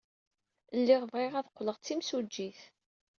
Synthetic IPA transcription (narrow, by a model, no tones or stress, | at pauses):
lːɪʁvʁɪʁæðqːləʁt͡sːimsud͡ʒːiθ